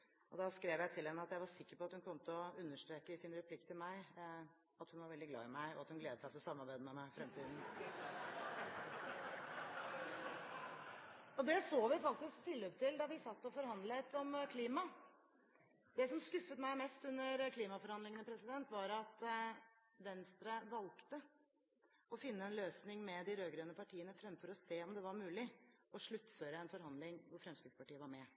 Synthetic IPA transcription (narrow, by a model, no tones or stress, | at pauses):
ɔd̪ɑskɾeːʋjæɪt̪ʰɪlhɛnːəɑt̪jæɪʋɑɾsɪkːəɾpɔɑt̪hʉnkʰɔmət̪əɔʉnːəʂʈɾeːkəɪsɪnɾɛpʰlɪkt̪ʰːɪlmæɪ | ɑt̪hʉnʋɑɾʋɛld̪ɪɡlɑ̰ːɪmæɪɔ̰ɑt̪hʉnɡleːd̪əsæɪt̪ʰɪlɔsɑmːɑɾbæɪd̪əmɛmæɪfɾɛmt̪ʰiːd̪n̩ | ɔd̪ɛsoːʋɪfɑk̚t̪ɪskt̪ʰɪlːøːpt̪ʰɪld̪ɑʋɪsɑt̪ːɔfɔɾhɑnd̪lət̪ɔmkʰliːmɑ | d̪ɛsɔmskʉfːət̪mæɪmɛst̪ʉnːəɾkʰliːmɑfɔɾhɑnd̪lɪŋənəpʰɾɛsɪd̪ɛnt̪ʋɑɾɑt̪ | ʋɛnst̪ɾəʋɑlkt̪ə | ɔfɪnːəɛnløːsnɪŋmɛd̪ɪɾøːɡɾøːnəpʰɑʈʰiːənəfɾɛmfɔɾɔseːɔmd̪ɛʋɑɾmʉːlɪɔʂɭʉt̪ːføːɾəɛnfɔɾhɑnd̪lɪŋʋʊɾfɾɛmskɾɪd̪spɑʈiːəʋɑɾmɛ